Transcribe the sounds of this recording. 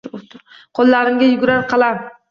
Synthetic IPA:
ot̪ʊɾ | qʰɒlˠːaɾɪmɡʲajʊɡʲɾaɾqʰɑlˠaɾ

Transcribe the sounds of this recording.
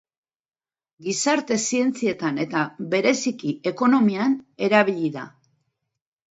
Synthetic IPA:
ɡisaɾt̪e̞sie̞nt͡sie̞t̪ane̞t̪aβe̞ɾe̞sikiʔe̞ko̞no̞miane̞ɾaβ̞iʎiða̰

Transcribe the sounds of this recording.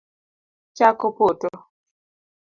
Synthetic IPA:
t͡ʃakopoto

